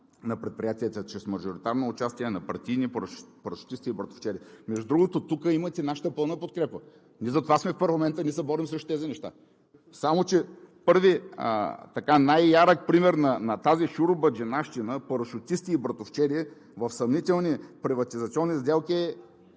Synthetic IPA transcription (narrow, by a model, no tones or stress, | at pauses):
nɐpɾɛt̪̚pɾijat̪iɛt̪ət͡ʃɾɛsmɐʒoɾit̪aɾnoːt͡ʃast̪iɛnɐpɐɾt̪ivnipɾpɐɾʃʊ̥t̪ist̪iːbɾɐt̪o̥ft͡ʃɛɾiɛmɛʒd̪ud̪ɾuɡot̪ot̪ukəimət̪ɛnaʃə̥t̪əpɤlˠnəpot̪̚kɾɛpə | nʲiɛzɐt̪ovasmɛfpɐɾlˠɐmɛnt̪əniɛsɛbɔɾimsɾɛʃt̪t̪ɛzinɛʃt̪a̰ | samot͡ʃɛpɤɾviə̰t̪ɐkanajːaɾək̚pɾimɛɾnɐnɐt̪aziʃuɾobəd͡ʒɛnaʃt̪inəpɐɾəʃʊt̪ʲist̪iːbɾɐt̪oft͡ʃɛɾiɛ | vɐfsɐmnit̪ɛlˠnipɾivɐt̪izɐt̪siɔnːizd̪ɛlˠkʲiɛ